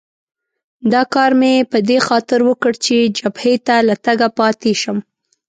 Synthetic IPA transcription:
d̪ɑkɑɾmepəd̪exɑt̪ɪɾwəkəɽt͡ʃed͡ʒabhet̪alat̪aɡapɑt̪eʃəm

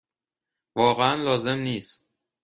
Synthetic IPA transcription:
vɒːɣeænlɒːze̞mniːst̪̚

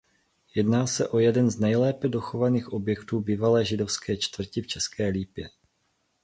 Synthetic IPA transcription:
jɛdnaːsɛʔo̞jɛdɛnznɛjlɛːpɛdo̞xovaniːxʔo̞bjɛkt̪uːbiːvalɛːʒɪdo̞fskɛːt͡ʃt̪vr̩cɪft͡ʃɛskɛːliːpjɛ

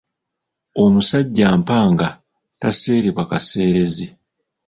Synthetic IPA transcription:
omusaɟːaːmpaːŋɡa | tase̞ːɾiβwakase̞ːɾe̞zi

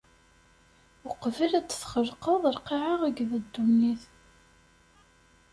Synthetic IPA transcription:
əqvəlæt͡sːθχəlqəðˤəɾqiʕaʁæɡðæd̪ːuniθ

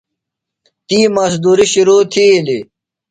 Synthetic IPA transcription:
t̪iːmɐsd̪uːɾiɕuɾuːt̪ʰili

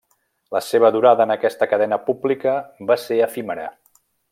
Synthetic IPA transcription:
ləseβ̞əðuɾaðəːnəkɛst̪əkəðɛnəpublikəbaseəfiməɾə

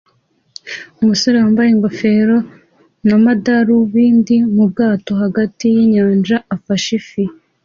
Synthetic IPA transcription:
umusoɾawaːmbajeŋɡofeɾo | namadaɾuβiːndimub̚ɡaːto̞ɦaɡatijiɲaːnd͡ʒaafaʃifi

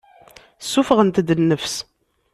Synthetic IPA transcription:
sːufəʁənt̪d̪ənːəfs

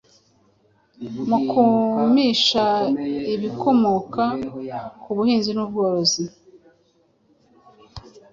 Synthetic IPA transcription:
mukumiʃaiβiko̞mokakuβuhiːnzinuːb̚ɡoːɾozi

